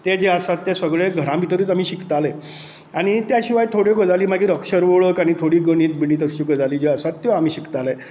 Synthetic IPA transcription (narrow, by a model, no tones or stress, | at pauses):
t̪ed͡ʑeəsat̪ːesəɡɭeɡʱəɾãmbit̪əɾiːt͡sam̤iːɕikt̪ale | aɽ̃it̪jaɕiʋajt̪ʰoɽjekəd͡zaliːmaɡiːɾəkɕəɾʋoɭəkaɽ̃it̪ʰoɽiːɡəɽ̃iːt̪̚bʱiɽ̃iːt̪əɕiːɡəd͡zaliːd͡ʑeəsat̪ːjoam̤iːɕikt̪ale